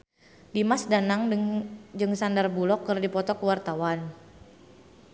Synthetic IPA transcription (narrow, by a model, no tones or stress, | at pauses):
dimasdanaŋ | d͡ʒɨŋsandarbulɔkːɨrdipɔt̪ɔkəwart̪awan